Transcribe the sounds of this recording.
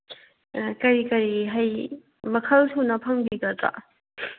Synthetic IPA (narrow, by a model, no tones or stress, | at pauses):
kɐɾikɐɾiɦɐj | mɐkʰɐlsʰunɐpʰɐŋbiɡɐta̰